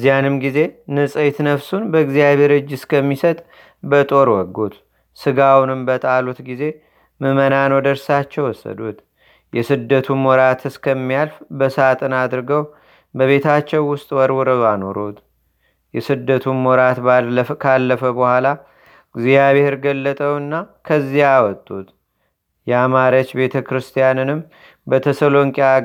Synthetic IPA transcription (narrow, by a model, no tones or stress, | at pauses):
ɨzijanɨmɡize̞nɨsʼət̪nəβsunbəɡzijaβe̞ɾɨd͡ʒːɨskʰəmːisət̪ʼ | bət̪ʼo̞ɾwɔɡːut̪ | sɨɡawnɨmbət̪ʼalut̪ɡize̞ | mɨmənanod̪əɾsat͡ʃːɛwɔsːə̰d̪ut̪ | jʔɛsɨd̪ːət̪ʰummɔɾat̪ʰɨskʰəmːijalfbəsat̪ʼɨnad̪ɾɨɡəw | bəβe̞t̪ʰat͡ʃːɛwːʊst̪ʼwɔɾwɔɾəβano̞ɾot̪ | jɛsɨd̪ːət̪ʰumːɔɾat̪kʰalːəfəbəhʷala | ɡzijaβeɾɡəlːət̪ʼəwɨnːakʰəzːijawɔt̪ʼːut̪ | jɛamaɾət͡ʃbe̞t̪ʰəkɾɨst̪ʰijanɨnɨm | bət̪ʰəsəlo̞ŋkʼa